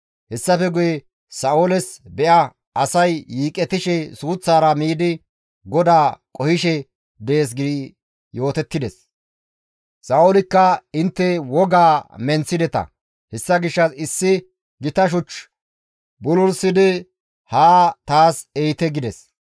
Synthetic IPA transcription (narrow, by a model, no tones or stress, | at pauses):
hɛsːɐfɛɡʊjɛ | sɐʔolɛsbɛʔɐ | ɐsɐjːiːkʼɛt̪ɪʃɛsuːt͡sːaːɾɐmiːd̪ɪ | ɡɔd̪aːkʼɔhɪʃɛ | d̪ɛeːs̬ɡɪd̪ɪ | jo̞ːt̪ɛt̪ːɪd̪ɛs | sɐʔolɪkːɐɪnt̪ːɛwɔɡaːmɛnt͡sːɪd̪ɛt̪ɐ̰ | hɛsːɐɡɪʃːɐsɪsːɪ | ɡɪt̪ɐʃ̬ʊt͡ʃː | bʊlʊɾsɪd̪ɪ | haːt̪aːsejt̪ɛɡɪd̪ɛs